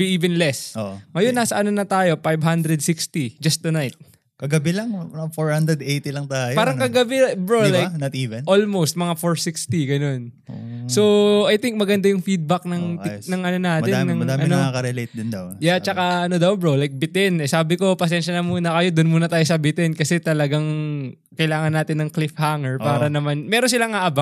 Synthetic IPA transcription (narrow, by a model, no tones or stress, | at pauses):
biʔiːvɛnlɛsoʔŋɐjonːaːsɐʔɐno̞nɐt̪aːjofajbɦand̪ɾɛd̪̚sikst̪id͡ʒɐst̪ːunajt̪̚ | kɐɡɐbɪlɐŋmɐɐfoɹhand̪ɾɛd̪ejt̪ilɐŋt̪aːjpaːɾɐŋkɐɡɐbɛbɹolajknɐt̪iːvɛnʔolmowst̪̚mɐŋafoɹsikst̪iɡɐno̞n̰ | soɐjt̪iŋk̚mɐɡɐnd̪ajʊŋfid̪̚bɐk̚nɐŋɪnɐŋʔɐnonaːtmɐɪnːɐŋɐdd̪aːmɐnoakɐɾɛlejt̪̚d̪ɪnd̪ɐwjat͡ʃɐkaʔɐnod̪ɐwbɹolajk̚bɪt̪ɛnɛsaːbɪko̞pɐs̬ɛnʃɐnɐmuːnɐkɐjod̪ʊnmuːnɐt̪aːjosɐbɪt̪ɛnkɐsɛt̪ɐlɐɡaŋ | kɐjlaːŋɐnːaːt̪ɪnːɐŋklɪfhaŋɛɹpaːɾɐnɐmanmɛːɾonsɪlaŋaʔɐba